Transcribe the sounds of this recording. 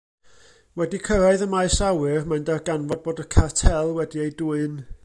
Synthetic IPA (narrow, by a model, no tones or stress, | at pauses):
wɛdikʰəɾaɨðəmaɨsawɨrmaɨndarɡanvɔd̚boːdəkʰatʰɛlˠwɛdiejduːɨn